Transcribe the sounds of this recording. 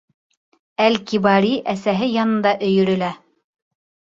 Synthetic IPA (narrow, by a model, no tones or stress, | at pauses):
ælkiβɑɾiʔæsæɦɘjɑnɤ̆nd̪ɑʔɵ̆jɵ̆ɾɵ̆læ